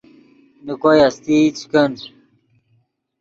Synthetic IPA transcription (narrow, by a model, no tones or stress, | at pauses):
nikojast̪it͡skəns